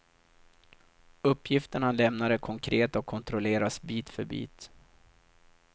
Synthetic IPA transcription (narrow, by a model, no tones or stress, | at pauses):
ɵpːjɪft̪əɳalɛmnad̪əkʰɔŋkʰɾeːt̪ɔkʰːɔnt̪ɾɔleːɾasbiːt̪fœɾbḭːt̪